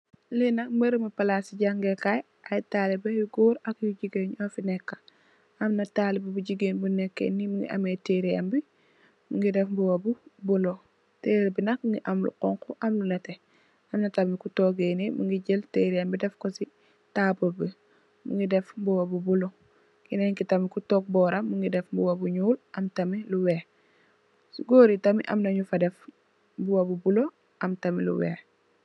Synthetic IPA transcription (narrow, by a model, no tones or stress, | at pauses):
linɐk̚məɾmipɐlasiɟaŋɡekaj | ʔɐjtaːlibɛjuɡuːɾɐkjuɟiɡeɲɔfinɛkːɐ̥ | ɐmnɐtaːlibɐbuɟiɡeːnbunɛkːḛnːimiŋɡḭʔɐ̰meteɾiambi | muŋɡidɛfbuwɐbubulo | teːɾibinɐk̚ŋɡiʔɐmlṵqɔŋkuʔɐmlunɐtɛ | ɐmnɐtɐmikutoɡenimuŋɡiɟelteːɾianbidɛfkosi | taːbobi | muŋɡidɛfbuwɐbubulo | kinɛɲkitɐmikutɔk̚bɔːɾɐmuŋɡidɛfmbuwɐbuɲuːlʔɐmtɐmiluwɛːx | suɡoːɾitɐmiʔɐ̰mnɐɲufɐdɛf | buwɐbubulo | ʔɐmtɐmilṵwɛ̰ːx